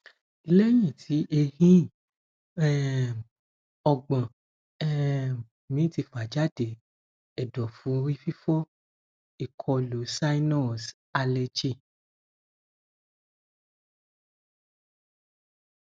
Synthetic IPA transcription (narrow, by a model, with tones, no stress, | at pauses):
i˧le˦j̃ĩ˦˨tʰi˨˦ʔe˧hĩ˦˨ | ɛ˦ | ɔ˧ɡ͡bã˨ | ɛ˦ | mĩ˨˦ti˧˨fa˨d͡ʒa˦de˨ | ɛ˨dɔ˨fũ˨˦˧ɾi˦fi˦fɔ˦ | i˦˨kʰɔ˧lo˨˦sa˦i˦nɔ˦˨s | a˧lɛ˧d͡ʒi˦˨